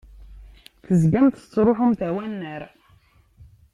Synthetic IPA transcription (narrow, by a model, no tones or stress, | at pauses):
θəzɡæmt̪ə̥t͡sːɾˤoħʊmθæwænːəɾ